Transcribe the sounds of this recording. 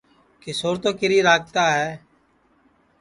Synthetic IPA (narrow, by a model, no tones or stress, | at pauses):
kesoːɾt̪õːkɪɾiːɾaːk̚t̪aːɦɛː